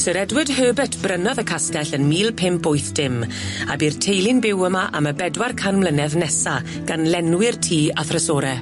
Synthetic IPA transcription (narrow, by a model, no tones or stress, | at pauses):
səɾɛdwɪd̥høːbɨtʰb̥rənɔðəkʰastɛɬənmiːlˠpʰɪmpʊjθd̥ɪm | a̰birtʰejlˠɪnbɪwəmaʔaməbɛdwarkʰanmlˠənɛðnɛsa | ɡ̥anlɛnwɪrtʰiːaθrəsɔːɾɛ